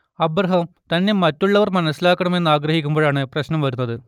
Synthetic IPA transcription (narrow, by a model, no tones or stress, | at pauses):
ɐbrɐɦɐmt̪ɐnːe̞mɐtːuɭːɐʋɐrmɐnɐsːilaːkːɐɳɐme̞nːaːɡrɐɦikʲːumbo̞ːɭaːɳɨprɐɕnɐmʋɐɾunːɐðɨ